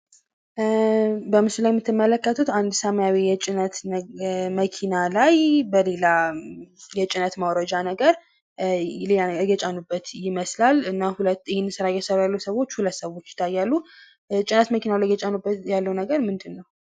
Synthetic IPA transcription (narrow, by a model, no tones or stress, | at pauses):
bəmɨsɨlajmːɨt̪ʰːɨmːələkːət̪ʰut̪and̪səmajawejɛt͡ʃʼɪnət̪ | məkʰinalajbəle̞la | jɛt͡ʃʼɪnət̪mawɾəd͡ʒanəɡəɾ | ajɛt͡ʃʼanubːət̪jɪməslalɨnːahulət̪ːjɪhɪnːɨsɨɾajɛsəɾajalːusəβo̞t͡ʃːhulət̪səwo̞t͡ʃːjɪ̥t̪ʰːajːalːu | t͡ʃʼɪnət̪məkʰinalajjɛt͡ʃʼanubːəjalːəwnəɡəɾmɨnd̪ɨnːəw